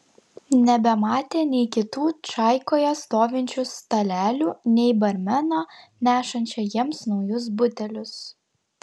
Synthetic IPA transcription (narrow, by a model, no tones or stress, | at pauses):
nʲɛbʲɛmɑːt̪ʲeːnʲɛɪkʲɪt̪uːt͡ʃɑˑɪkoːjɛst̪oːʋʲɪnʲt͡ʃʲʊst̪ɐlʲæːlʲuːnʲɛɪbɐɾʲmʲɛnoːnʲæːʃɐnʲt͡ʃʲɛjiɛmsnɒʊjʊs̬bʊt̪ʲɛlʲʊs